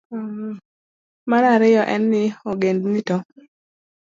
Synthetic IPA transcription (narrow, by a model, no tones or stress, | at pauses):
manaɾɪjɔʔɛnːɪoɡendnitɔ